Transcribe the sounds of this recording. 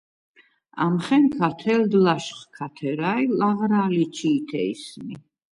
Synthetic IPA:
a̰mχɛnkʰat̪ʰɛld̪laʃχkʰat̪ʰɛɾailaʁɾalit͡ʃʰiːt̪ʰɛismi

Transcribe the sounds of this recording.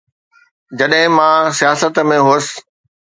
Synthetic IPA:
d͡ʑɐɗɦɪ̃mãsijaːsət̪mẽɦoːs̆

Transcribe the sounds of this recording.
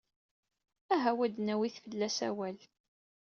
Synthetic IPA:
æɦæwæd̪næwiθfəlːæsæ̰wæl

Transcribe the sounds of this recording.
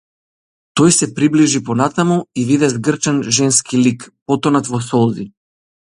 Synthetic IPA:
t̪ɔjsɛpɾibliʒipɔnat̪amuivid̪ɛzɡr̩t͡ʃɛnʒɛnskilikpɔt̪ɔnat̪vɔsɔlˠzi

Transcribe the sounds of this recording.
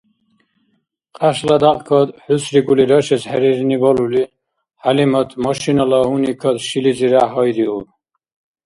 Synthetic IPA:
qʼaʃlad̪aqʼkʰɔd̪ħusɾiɡuliɾɔʃɛshɛɾiɾnibɔluli | halimɔt̪ʰmɔʃinɔlɔɦunikʰɔd̪ʃiliziɾaɦɔjɾiu

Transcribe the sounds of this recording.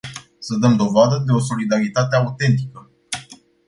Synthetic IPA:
səd̪əmd̪o̞vad̪əd̪e̞o̞so̞lid̪aɾit̪at̪e̞aut̪e̞nt̪̬ikə

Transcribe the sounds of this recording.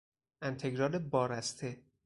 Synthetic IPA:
ʔænt̪ʰeɡɾɒːlebɒːɾæst̪ʰe

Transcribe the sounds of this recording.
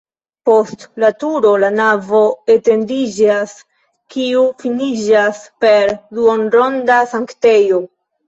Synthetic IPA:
po̞stlatuɾo̞lanavo̞ete̞ndid͡ʒas | kiufinid͡ʒaspe̞ɾduonɾo̞ndasaŋkte̞jo̞

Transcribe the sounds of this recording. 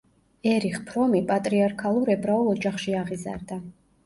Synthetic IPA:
ɛɾiχpʰɾɔmipʼat̪ʼɾiaɾkʰalˠuɾɛbɾaulˠɔd͡ʒaχʃiaʁiza̰ɾd̪a

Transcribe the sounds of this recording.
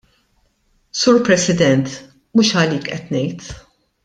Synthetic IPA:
suːɾpɾɛsɪd̪ɛnt̪ | muːʃɐliːkʔɛt̪nɛjt̪

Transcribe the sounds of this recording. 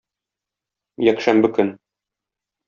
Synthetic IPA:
jækʃæmbɘkɵn

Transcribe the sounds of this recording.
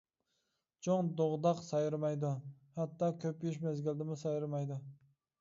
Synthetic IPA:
t͡ʃʰoŋd̪oʁd̪ɑqsɑjɾmɑjd̪uhɛt̪ːɑkʲʰøpjyʃ̬mɛzɡʲild̪ɪmʊsɑjɾmɑjd̪u

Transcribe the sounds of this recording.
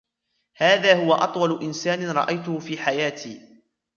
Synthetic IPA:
haːðaːhʊwaʔɑ̰t̪ˤwɑlʊʔɪnsaːnɪɾˤɑ̰ʔajt̪ʊhʊfiːħajaːt̪ʰiː

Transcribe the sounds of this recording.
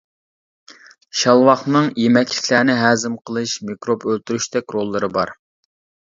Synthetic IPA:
ʃɑlˠwɑχnɨŋjemɛt͡ʃlɪkʲlæːnɪɦæːzɪmqʰəlˠɨʃmikɾobølt̪yɾyʃd̪ɛkʲɾolˠːɨɾɨbɑ̰ɾ

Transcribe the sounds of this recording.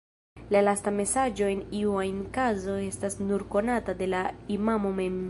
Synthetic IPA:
lalastame̞sad͡ʒo̞e̞niuajnkazo̞e̞stasnuɾko̞natade̞laimamo̞me̞m

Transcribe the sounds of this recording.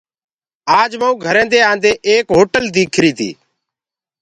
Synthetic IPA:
aːd͡ʒməːũːɡʱəɾẽːnd̪eːãːnd̪eːʔeːkɦoːʈəld̪iːkʰɾiːt̪ʰḭː

